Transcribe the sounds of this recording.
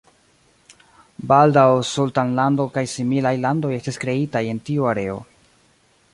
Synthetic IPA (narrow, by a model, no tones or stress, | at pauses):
baldawsultanlando̞kajsimilajlando̞je̞stiskɾe̞itaje̞ntiuaɾe̞o̞̰